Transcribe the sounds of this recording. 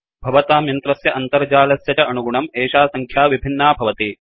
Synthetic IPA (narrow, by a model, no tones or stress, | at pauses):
bʱɐʋɐt̪aːmjɐnt̪ɾɐsjɐʔɐnt̪ɐɾd͡ʒaːlɐsjɐtɐʔɐnuɡuɳɐmeːʃaːsɐŋkʰjaːʋibʱinːaːbʱɐʋɐt̪i